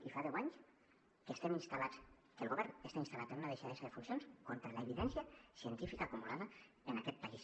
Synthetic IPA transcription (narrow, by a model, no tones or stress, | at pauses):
ifaðɛwaɲs | kəst̪ɛminst̪alat͡s | kəlɣoβɛɾnəst̪ainst̪alat̪ənunaðeʃaðesaðəfunsjonskont̪ɾələeβiðɛnsjasiənt̪ifikaːkumulaðɐ | ənakɛt̪̚pais